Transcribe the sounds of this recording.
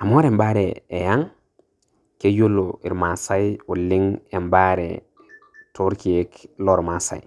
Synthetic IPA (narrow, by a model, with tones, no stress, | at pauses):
a˨mo˦ɾe˨mba˦ɾeː˨ja˦ŋ | ke˦jo˦lːoḭ˨ɾma˨sa˦ju˨lːi˦ŋe˨mbaɾḛ | tʰo˦ɾki˨eklo˦ɾmasa̰˨j